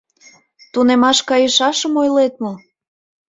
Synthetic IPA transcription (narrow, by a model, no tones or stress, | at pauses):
t̪unemɑʃkɑjəʃɑʃəmojlet̪mɤ̆